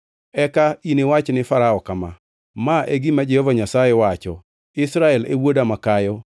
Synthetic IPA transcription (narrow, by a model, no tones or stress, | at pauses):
ɛkainewat͡ʃnɪfaɾaɔkama | maʔeɡimad͡ʒɛhɔvaɲasajewat͡ʃɔ | ɪsɾaɛlewodamakajɔ